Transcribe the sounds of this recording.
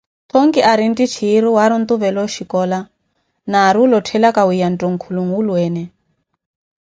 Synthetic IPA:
t̪ʰɔŋɡiʔaɾintit͡ʃʰiːɾuwaɾunt̪uβɛlɔʃikɔla | naːɾilɔtʰɛlakawijantɔŋ̩kʰuluŋulwɛːnɛ

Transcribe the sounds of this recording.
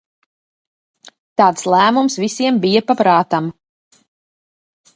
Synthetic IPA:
t̪aːt̪slˠæːmumsvisiɛmbijapapɾɑːt̪am

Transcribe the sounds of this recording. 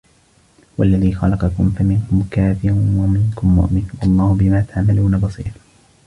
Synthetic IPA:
walːaðiːxɑlɑqɑkʊmfamɪnkʊmkaːfɪɾʊwamɪŋkʊmːʊ̰ʔmɪnwɑlˤːɑːhʊbɪmaːt̪ʰaʕmaluːnabɑsˤḭːɾ

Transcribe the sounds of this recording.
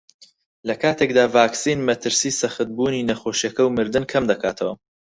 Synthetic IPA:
lɐkʰaːt̪ʰek̚d̪aːvaːksinmɐt̪ʰɨɾsiːsɐχɨt̪̚buːniːnɐxoːʃjɐkɐwmɨɾd̪ɨnkʰɐmd̪ɐkʰa̰ːt̪ʰɐwɐ

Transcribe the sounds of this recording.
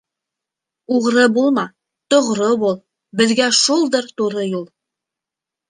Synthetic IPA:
uʁɾɤbulˠmɑ | t̪ŏʁɾɤβulˠ | bɘ̆ðɡæʃulˠd̪ɤɾt̪uɾɤjulˠ

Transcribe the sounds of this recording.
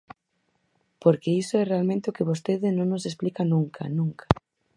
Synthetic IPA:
poɾkeisoɛrealmẽnt̪ɪʊkɪβost̪eðɪnõŋnos̬esplikanũŋkʰa̰nũŋkʰḁ

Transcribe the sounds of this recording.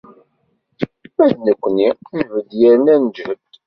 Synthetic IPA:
mæðnəkʷːənijvəd̪jæɾnænd͡ʒhəd̪

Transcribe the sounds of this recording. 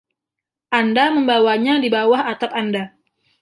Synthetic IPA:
ʔandaməmbawaɲadibawahat̪apanda

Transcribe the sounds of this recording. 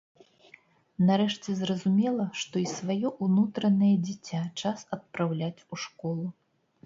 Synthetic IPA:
nɐɾɛʂt͡sʲɛzrɐzumʲɛlˠɐʂt̪ɔisvajɔʔunut̪ɾɐnɐjɐd͡zʲit͡sʲːat͡ʂasɐt̪̚pɾawlʲat͡sʲuʂkɔlˠu

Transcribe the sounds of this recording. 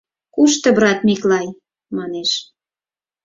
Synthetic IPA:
kuʃt̪ɤ̆bɾɑt̪miklɑj | mɑneʃ

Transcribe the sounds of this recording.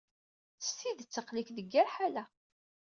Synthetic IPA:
θəst̪iðət͡sːəqlikðəɡːæɾħalæ

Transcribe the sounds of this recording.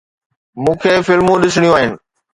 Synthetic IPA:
mũːkʰeːfɪlmũɗɪsɽ̃ijũaːɦɪnɪ̆

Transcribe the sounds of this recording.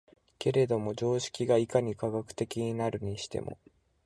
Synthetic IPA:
ke̞ɾe̞d̪o̞mo̞d͡ʑo̞ːɕi̥kʲiɡaikaɲ̟ikaɡakɯ̟̥t̪e̞kʲiɲ̟inaɾɯ̟ɲ̟iɕi̥t̪e̞̰mo̞̰

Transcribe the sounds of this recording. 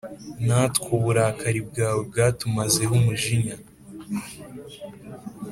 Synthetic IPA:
natkoβuɾakaɾibɡaːweb̚ɡaːtumaze̞ɦumuʒiɲa

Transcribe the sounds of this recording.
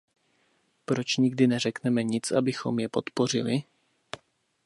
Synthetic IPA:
pɾo̞t͡ʃɲɪɡdɪnɛr̝ɛknɛmɛɲɪt͡sʔabɪxo̞̰mjɛpo̞t̪po̞r̝ɪ̰lɪ

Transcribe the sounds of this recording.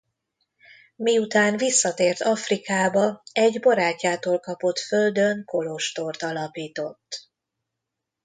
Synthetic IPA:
miut̪aːnvisːɒt̪eːrt̪ʰɒfrikaːbɒɛɟbɒɾaːcːaːt̪oːlkɒpo̞t̪føld̪ø̞ŋko̞lo̞ʃt̪o̞rt̪ɒlɒpiːt̪o̞t̪ː

